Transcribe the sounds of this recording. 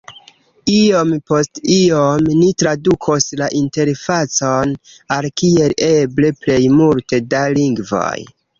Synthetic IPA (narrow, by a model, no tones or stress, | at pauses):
iompo̞stiomnitɾadukʰoslaʔinte̞ɾfat͡so̞n | alkie̞le̞ble̞ple̞jmulte̞daliŋɡvo̞̰j